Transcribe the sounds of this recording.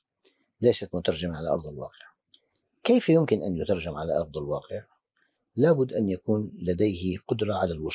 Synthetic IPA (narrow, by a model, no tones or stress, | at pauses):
lajsat̪mʊt̪ɑɾˤd͡ʒamaʕalaʔɑ̰ɾˤd̪ˤɪlwɑ̰ːqɪʕ | kejfjʊmkɪnʔanjʊt̪ɑɾˤd͡ʒamʕala̰ʔɑɾˤd̪ˤɑlwɑːqɪʕ | laːbʊd̪ːʔanjakuːnlad̪ejhɪqʊd̪ɾˤɑʕalalwʊs